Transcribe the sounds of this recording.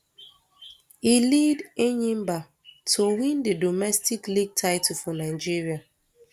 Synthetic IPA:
ilideɲĩmba | tʰowĩndedɔmɛstikliɡ̚tʰaɪtufɔ̃naɪd͡ʒiɹia

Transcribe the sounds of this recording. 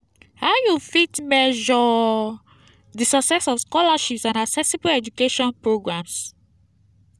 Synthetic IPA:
haʊjufitmɛʒɔ | disɔksɛsɔfskɔlaʃipsãndaksɛsibuɛd͡ʒukeʃɔ̃npɹoɡɹãms

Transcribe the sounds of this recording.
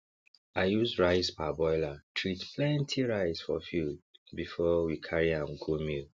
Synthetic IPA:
aɪjuzɹaɪspabɔɪlatʰɹitpʰlɛ̃ntʰiɹaɪsfɔ̰fulbifɔwikʰaɹiãmɡʰumil

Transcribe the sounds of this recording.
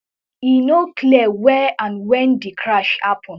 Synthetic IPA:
inokʰliɛwɛãnwɛ̃ndikʰɹaʃhapʰɔ̃n

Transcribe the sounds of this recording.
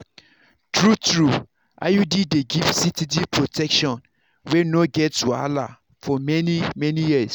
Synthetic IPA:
tɹutɹu | ʔa̰judideɡifsitidipʰɹotʰɛkʃɔ̃n | wɛnoɡɛtua̰la̰ | fɔmɛnimɛnijis

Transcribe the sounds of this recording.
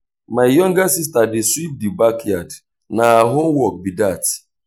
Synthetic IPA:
maɪjɔŋɡasis̬tadɪswip̚dibakjad | naɦaɦomwɔk̚bidat

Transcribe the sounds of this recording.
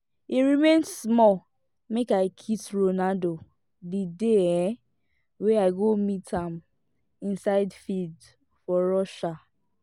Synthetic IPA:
iɹimẽnsmɔ | mekaɪkʰitɹonado | dideɛ | weaɪɡomitʰãm | ĩnsaɪdfild | fɔɹɔʃa

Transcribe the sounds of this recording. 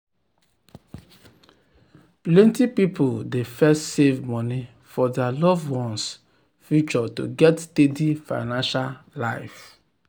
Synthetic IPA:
plɛ̃ntipipoldefɛstsevmɔni | fɔdɛalɔvwɔ̃ns | fjut͡ʃɔtṵɡɛtːtedifa̰ɪnãnʃalaɪf

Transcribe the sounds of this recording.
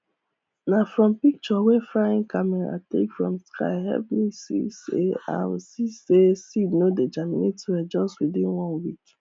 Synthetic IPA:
nafɾɔ̃mpik̚t͡ʃɔwefɾaɪ̃ŋkamɛɾa̰tḛkfɹɔ̰̃mskʰa̰ɪɦɛ̰plisḭsḛã̰m̩sisesidnoded͡ʒanimetiwɛd͡ʒɔstwidĩnwɔ̃nwik

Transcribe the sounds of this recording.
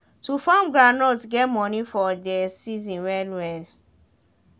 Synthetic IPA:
tufãmɡɹanɔtɡɛt̚mɔnifɔdɛsizĩnwɛlwɛl

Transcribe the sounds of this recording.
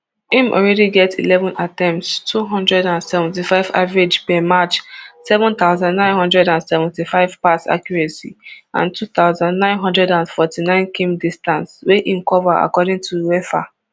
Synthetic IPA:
ĩmʔɔ̰ɹɛdiɡɛtḭlɛvɔ̃nʔatɛ̃mtstʰuɦɔ̃ndɹɛdãnsɛvɛ̃ntifaɪva̰vɹed͡ʒpɛmat͡ʃsɛvɔ̃nt̪aʊzãndnãɪ̃nɦɔ̃ndɹɛdãnsɛvɛ̃ntifaɪv̥patsa̰kjɔɹɛsiʔã̰ntʰuθaʊzãndnãɪ̃nɦɔ̃ndɹɛdãnfɔtinãɪ̃nkʰĩmdistãnsweʔĩnkɔvaa̰kɔdɪ̃ŋtʰuwɛfa̰

